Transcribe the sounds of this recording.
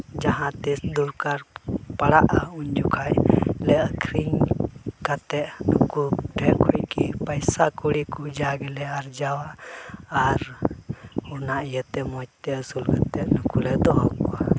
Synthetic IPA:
d͡ʒaɦãt̪isd̪uɾkaɾpaɽaʔauɲd͡ʒukʰaʔlɛəkʰɾiŋkat̪ɛʔnukuʈʰɛkʰuʔ̚kipəjsakuɽikud͡ʒaɡɛlɛaɾd͡ʒawaʔː | ɾ | unaʔjət̪ɛmɔt͡ʃ̚t̪ɛəsulkat̪ɛʔnukulɛd̪ɔɦɔkɔa

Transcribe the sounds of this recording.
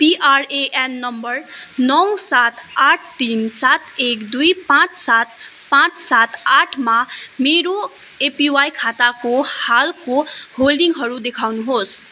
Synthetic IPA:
piʔaɾeʔenːʌmbʌrnʌwsat̪aʈʰʈinsat̪ekd̪ujpãt͡ssat̪ | pãt͡ssat̪aʈʰmameɾo | epiwajkʰat̪akohalkoholɖiŋɦʌɾud̪ekʰawnuɦos

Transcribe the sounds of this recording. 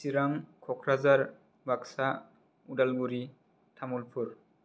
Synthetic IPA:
siɾaŋkʰɔkʰɾazaɹ | baksa | udalɡuɾi | tʰamulpʰuɾ

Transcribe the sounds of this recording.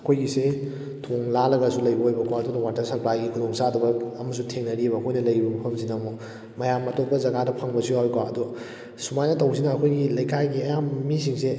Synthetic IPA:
ɐkʰojɡise | tʰoŋlalɐɡɐsulɐjbɐɦojbɐkʰwaɐdunɐwatɐɾsɐɾplajɡikʰudoŋsaduɡɐːmɐs̬utʰeŋnɐɾibɐːkʰojnɐlɐjbɐmɐpʰɐmsinamo | mɐjamɐtot̚pɐzɐɡadɐpʰaŋbɐsiawjkwaɐdu | sumajnɐtɐwsinɐːkʰojɡilɐjkʰajɡiɐjammis̬iŋse

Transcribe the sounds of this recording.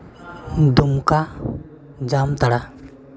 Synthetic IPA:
n̩dumka | d͡ʒamtaɾa

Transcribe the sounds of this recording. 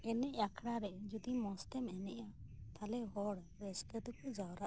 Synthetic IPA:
ɛnɛʔakʰɽaɾɛd͡ʒud̪imɔst̪ɛmɛnɛʔat̪ʰalɛɦɔɽ | ɾɛskət̪ukɔd͡ʒawɾaʔ

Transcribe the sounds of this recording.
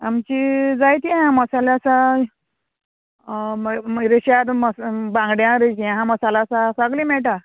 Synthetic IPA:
amt͡ɕid͡zajt̪iɦãməsalasa | ɾeɕad̪məsbãŋɡɽjãɾet͡ɕiaɦãməsalaːsasaɡlimɛɭʈa

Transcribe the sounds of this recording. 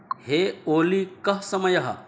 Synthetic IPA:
heoːlikɐɦsɐmɐjɐɦɐ̰

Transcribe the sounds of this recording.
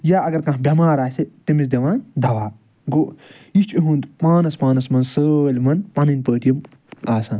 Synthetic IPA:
jaːɐɡɐɾkɐ̃ɦbʲɐmaːɾaːset̪imis̬d̪ɐʋãːnʲd̪ʱɐʋaː | ɡo | iʃt͡ʃʰʲiɦuːnt̪paːnɐspaːnɐsmɐnsəːlʲmɐnpɐnɨnʲpəːʈ̪ijɐm | aːsãːn

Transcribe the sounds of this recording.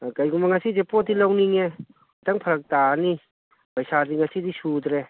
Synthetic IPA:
kajɡumbaŋasizepɔdilawniŋe | taŋpʰəɾɐk̚tani | pajsadiŋasidisud̪ɾe

